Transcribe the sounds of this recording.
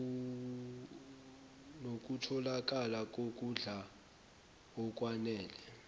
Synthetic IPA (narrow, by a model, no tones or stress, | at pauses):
nok̬ʼutʰɔlak̬ʼalak̬ʼok̬ʼuɮa | ɔk̬ʼwanɛːlɛ